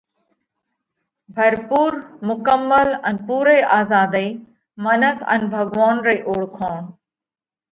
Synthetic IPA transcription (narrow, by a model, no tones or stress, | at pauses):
bʱɐɾpuːɾmʊkəmːələnpuːɾeʔaːzaːd̪e | mɐnəkʰə̰nbʱɐɡʋaːnɾeːʔoːɽkʰaːn